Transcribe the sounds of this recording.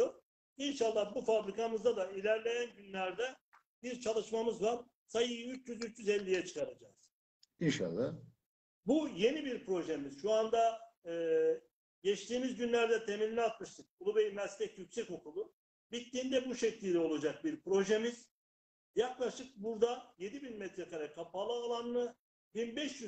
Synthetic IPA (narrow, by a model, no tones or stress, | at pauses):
oɾ | inʃalˠːahbufabɾikamɯzd̪ad̪ailʲæɾlʲe̞jænɟynlʲæɾd̪ɛ | biɾt͡ʃʰalˠɯʃmamɯzvaɾ | sajɯjyt͡ʃjyzyt͡ʃjyzɛlʲːijɛt͡ʃʰɯ̥kʰaɾad͡ʒaːz̥ | inʃa̰lˠːah | buje̞nibiɾpʰɾo̞ʒemiz̥ʃuand̪aɯː | ɟɛt͡ʃt̪iːmizɟynlʲæɾd̪ɛt̪ʰemilʲinat̪mɯʃt̪ɯk̚bulˠubejimɛst̪ɛcjycʲsɛco̞kʰulˠu | bit̪ːiːnd̪ɛbuʃɛclʲiɾɛo̞lˠad͡ʒak̚biɾpɾo̞ʒemiz̥ | jaklˠaʃɯk̚buɾd̪aje̞d̪ibinmɛt̪ʰɾɛkʰaɾakʰːapalˠɯːlˠanːɯ | binbɛʃjy